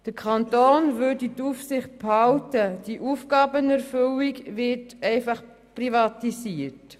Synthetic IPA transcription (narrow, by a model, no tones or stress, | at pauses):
d̥əkʰχɑntoːnvøditufsɪχt̚phɑltəd̥iʔuːfɡɑːbənɛɾfʏliɡvɪtɛɪfɑχ | privɑtisiːət